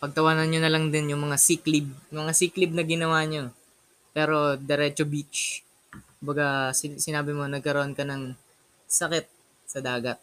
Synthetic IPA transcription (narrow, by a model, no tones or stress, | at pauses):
pɐɡ̚t̪ɐwaːnɐnɲonɐlɐŋd̪ɪnjʊŋmɐŋasiklɪb̚mɐŋasiklɪb̚nɐɡɪnɐwaːɲo | pɛːɾo̞d̪ɛɾɛt͡ʃobit͡ʃ | kʊmbɐɡasɪsɪnaːbɪmo̞nɐɡ̚kɐɾoʔonkɐnɐŋ | sɐkɛt̪̚ | sɐd̪aːɡɐt̪̚